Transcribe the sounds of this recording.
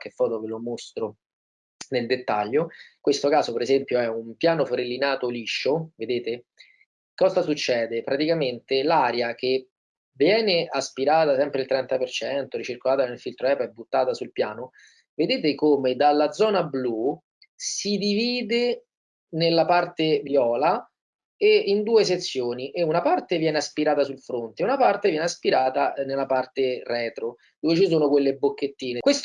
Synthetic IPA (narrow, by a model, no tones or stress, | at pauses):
kefːɔːt̪okelomost̪ɾo | neld̪et̪ːaʎːokwest̪okaːzopeɾezɛmpjoɛumpjaːnofoɾelːinaːt̪oliʃːoved̪eːt̪e | kɔzasut͡ʃːɛːd̪epɾat̪ikament̪elaːɾjake | vjɛːneʔaspiɾaːt̪asɛmpɾeilt̪ɾɛnt̪apert͡ʃɛnt̪oɾit͡ʃirkolaːt̪anelfilt̪ɾoɛpɛbːut̪ːaːt̪asulpjaːno | ved̪eːt̪̬ekomed̪alːad̪zɔːnablu | sid̪iviːd̪e | nelːapart̪evjɔːla | eind̪uːes̬et̪sːjoːniʔeunapart̪evjɛːneaspiɾaːt̪asulfɾont̪eunapart̪evjɛːneaspiɾaːt̪anelːapart̪erɛːt̪ɾo | d̪oːvet͡ʃisoːnokwelːebːokːet̪ːiːnekwest̪